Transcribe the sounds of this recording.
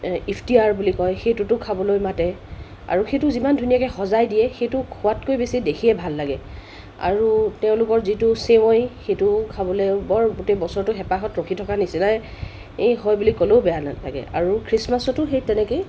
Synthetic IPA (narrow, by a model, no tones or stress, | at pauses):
ipʰtiaɹbulikɔjxejtʊtʊkʰabɔlojmatɛ | a̰ɹuxetʊzimandʱunijakɛxɔzajdijɛxejtʊkʰʊatkojbesidekʰiɛbʱalːaɡɛ | a̰ɹutɛʊ̃lʊkɔɹzitʊsewɔjxejtʊkʰabɔlɛbɔɹɡutebɔsɔɹtʊxɛpaxɔtɹokʰitʰɔkanisinaj | eɦɔjbulikɔlobɛjalala̰ɡɛ̰a̰ɹukʰɹismasɔtʊxejtɛnɛkoj